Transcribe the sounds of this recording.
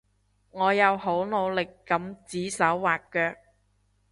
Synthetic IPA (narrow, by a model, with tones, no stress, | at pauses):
ŋɔː˨˧jɐ˨˧wɦo˨˥wno˨˧wlɪ˨kːɐ˨˧˥mt͡siː˨˥sɐ˨˥wːaː˨kːœː˧k̚